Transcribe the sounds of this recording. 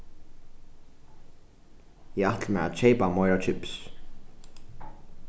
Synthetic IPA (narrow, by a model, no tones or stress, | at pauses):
ɛaht̪lmɛaðt͡ɕejpamɔjɾat͡ʃʰʏps